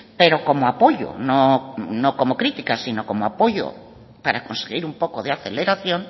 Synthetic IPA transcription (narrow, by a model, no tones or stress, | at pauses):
peɾokomoapoʎo̰nõnõŋkomokɾit̪ikasinokomoapoʎo̰ | paɾakonseɣiɾumpokoðeaθeleɾaθjõŋ